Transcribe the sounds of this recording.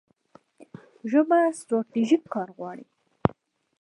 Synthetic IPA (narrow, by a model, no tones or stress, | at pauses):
ʒəmasʈɾɑt̪iʒikːɑɾɣwɑɽi